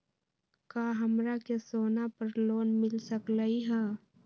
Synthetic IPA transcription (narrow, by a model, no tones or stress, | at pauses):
kaːɦəmɾakesoːnapəɾloːnmɪlsəklaiɦɛː